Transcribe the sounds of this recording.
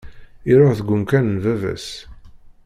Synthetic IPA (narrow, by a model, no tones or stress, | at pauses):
iɾoʁθəɡʷːʊmkænənvævæ̰s